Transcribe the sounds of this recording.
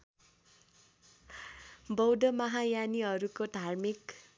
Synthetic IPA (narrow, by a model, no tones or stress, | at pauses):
bʌwd̪ʌmʌɦajaniʌɾukod̪ʱarmik